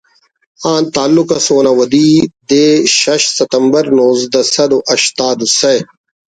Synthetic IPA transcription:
aːnt̪aːlːukɐsoːnɐwɐd̪iːd̪eːʃɐɕsɐt̪ɐmbɐɾnoːzd̪ɐsɐd̪oʔɐʃt̪aːd̪usɐj

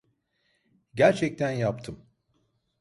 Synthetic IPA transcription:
ɟæɾt͡ʃʰɛc̚t̪ʰænjapt̪ʰɯm

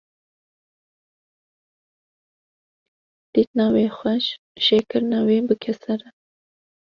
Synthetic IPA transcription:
d̪̥it̪nɑːweːxʷɛʃ | ʃeːkɨɾnɑweːbɨkʰɛsɛɾɛ

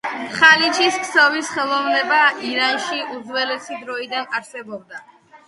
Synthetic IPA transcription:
χalit͡ʃʰisksɔvisχɛlˠɔvnɛbaiɾanʃiud̪zwɛlɛsid̪ɾɔid̪anaɾsɛbɔb̚d̪a

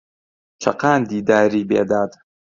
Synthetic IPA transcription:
t͡ʃʰɐqaːnd̪iːd̪aːɾiːbeːd̪aːd̪

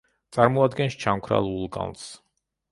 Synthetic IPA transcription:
t̪sʼaɾmɔad̪ɡɛnst͡ʃʰamkʰɾa̰lˠulˠkʼa̰ns

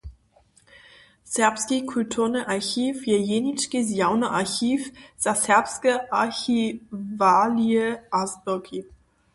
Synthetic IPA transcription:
sɛɐpskikʰultʰunəʔaçiːfjejeniʃkizjaʊnəʔaɐçiːfz̥asɛɐpskəʔaɐçivaːliəʔasboki

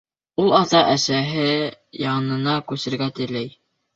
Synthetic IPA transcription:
ulˠɑt̪ɑʔæsæɦɘ | jɑnɤ̆nɑkʉsɘ̆ɾɡæt̪ilæj

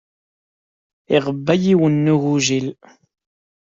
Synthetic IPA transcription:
ɪʁəbːæjiwənːuɣuʒil

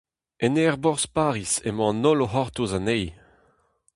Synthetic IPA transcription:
eneʁbɔʁspaːʁisḛmɑ̃nɔloɦɔʁt̪uzanej

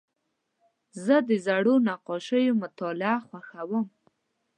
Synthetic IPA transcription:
zəd̪əzaɽonaqɔʃəjomʊt̪ɔlɪaχwaxawəm

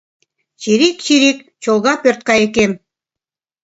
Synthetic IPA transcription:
t͡ɕiɾikt͡ɕiɾik | t͡ɕolˠɣɑpørt̪̚qɑekem

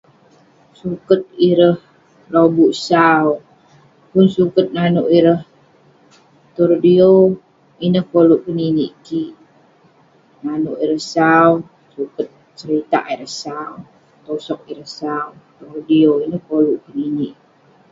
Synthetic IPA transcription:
sukət̪̚iɾəh | robuʔsaw | pʊnsukət̪̚nanuʔiɾəh | t̪ɔrdio | inəhkoluʔkəniniʔkiʔ | nanuʔiɾəhsaw | sukət̪̚t͡ʃəɾit̪a̰ʔiɾəhsau | t̪ɔsɔk̚iɾəhsaut̪ordioinəhkoluʔkəniniʔk

